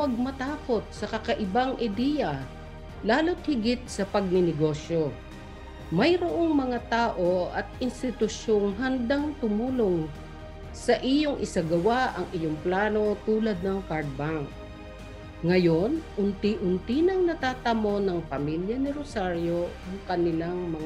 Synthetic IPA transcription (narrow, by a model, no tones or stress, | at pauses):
wɐɡ̚mɐt̪aːko̞t̪̚sɐkɐkɐʔɪbaŋʔɪd̪ijɐ | laːlo̞t̪̚hɪɡɪt̪̚sɐpɐɡ̚nɪnɪɡo̞ʃjo̞ | mɐjɾoʔo̞ŋmɐŋat̪aːʔo̞ʔɐt̪̚ʔɪnst̪ɪt̪ʊʃjoŋɦɐnd̪aŋt̪ʊmuːloŋ | sɐʔɪjoŋʔɪsaɡɐwaʔɐŋʔɪjoŋplaːno̞t̪uːlɐd̪̚nɐŋkaɹd̪̚baŋk̚ | ŋɐjo̞nʔʊnt̪ɪʔʊnt̪inɐŋnɐt̪aːt̪ɐmo̞nɐŋpɐmiljɐnɪɾosaɹjoɐŋkɐnɪlaŋmɐŋ